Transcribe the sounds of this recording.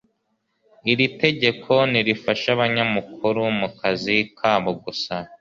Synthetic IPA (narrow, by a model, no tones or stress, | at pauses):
iɾite̞ɟe̞kʰo̞niɾifaʃaβaɲamukʰuɾumukʰazikʰaːβoɡusa